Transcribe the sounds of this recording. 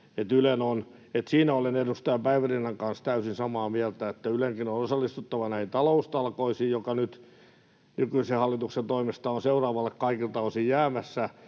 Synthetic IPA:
et̪ylenon | et̪siːnæolenedust̪ɑjɑpæiʋærinːɑŋkɑnst̪æysinsɑmɑːmiælt̪æet̪ːæyleŋkinonosɑlːist̪ut̪ːɑʋɑnæhint̪ɑloust̪ɑlkoisijjokɑnyt̪ | nykyisehɑlːit̪uksent̪oimist̪ɑonseurɑːʋɑlːekkɑikilt̪ɑlosijjæːmæsːæ

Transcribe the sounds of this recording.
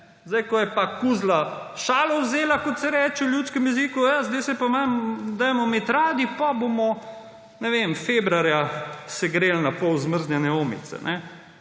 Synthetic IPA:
zd̪ajkɔjɛpakuzla | ʃaːlɔwzeːlakɔt̪sɛɾɛːt͡ʃɛwljut̪skəmjɛzikujazd̪ɛjsɛpamamd̪ajmɔmet̪ɾaːd̪ipabomɔ | nɛʋemfeːbɾaɾjasɛɡɾeːlnapɔwzməɾznʲanɛoːmḭt̪sɛ̰nʔɛ

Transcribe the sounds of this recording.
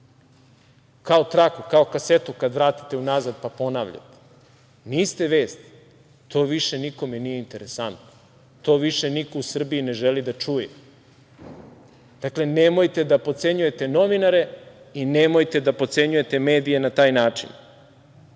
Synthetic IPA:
kaot̪ɾakukao̞kase̞t̪ukad̪ʋɾaːt̪i̥t̪eunazad̪̚papo̞naːʋʎa̰t̪e̥ | niːst̪e̞ʋeːst̪ | t̪ʰo̞ːʋiʃe̞niko̞menije̞int̪e̞ɾesant̪no | t̪o̞ːʋiʃe̞nikousr̩biine̞ʒelid̪at͡ʂuje | d̪̥akle̞nemojt̪e̞d̪apo̞t̪se̞ɲuje̞t̪e̞no̞ʋinaɾe̞ | inemojt̪e̞d̪apo̞t̪se̞ɲuje̞t̪e̞meːd̪ije̞nat̪aːjnaːt͡ʂḭn

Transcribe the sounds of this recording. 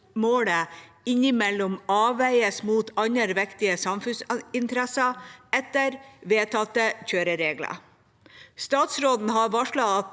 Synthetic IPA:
moːɽə | ɪɲɪmɛlːʊmɑːʋæɪəsmuːt̪ʰɑɲəɾʋɛkt̪ɪəsɑmfʉnsɪnt̪əɾɛsɑɛt̪əɾʋeːt̪ʰɑt̪əçøːɾəɾeːɡlɑ̰ | st̪ɑːt̪sɾoːd̪n̩ɦɑɾʋɑʂɭɑɑt̪

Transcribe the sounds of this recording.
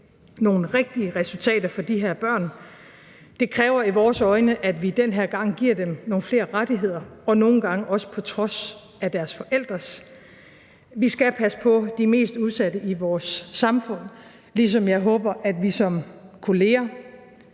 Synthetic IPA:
no̝ːn̩ʁeɡ̥̚d̥iəʁɛsult͡sʰɛ̰ːd̥ɐfɒ̽d̥iɦeɐ̰b̥ɶɐ̰n | d̥e̝kʰʁɛːʊɐiʋɒːsɒ̽ɪnəʔæd̥ʋid̥enɦeɐɡ̥ɑ̈ŋ̰ɡ̥iɐ̰d̥emno̝ːn̩fle̝̰ːɐʁad̥iɦe̝ð̞̰ˠɐɒ̽no̝ːn̩ɡ̥ɑ̈ŋəʔɒ̽sə̥pʰɒ̽t͡sʰʁɒ̽s | æd̥æɐsfɒ̽ʔel̰d̥ʁɐs | ʋisɡ̥æpʰæsə̥pʰɒ̽d̥ime̝̰ːsd̥uð̞ˠsæd̥əʔiʋɒːsːɑ̈mfɔ̽n̰ | lis̬ɒ̽mjɑ̈ɪɦɔːb̥ɐʔæd̥ʋisɒ̽mkʰo̝le̝ːɐ

